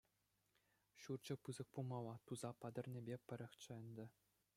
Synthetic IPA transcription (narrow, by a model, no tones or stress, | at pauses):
ɕurt͡ɕɤ̆pɯzɤ̆k̚pulˠmɑlˠːɑt̪uzɑpɑd̪ʲɤ̆rʲnʲĕbʲepʲɘ̆ɾʲɘ̆xʲt͡ɕɘ̆ɘ̆nʲd̪ʲɘ̆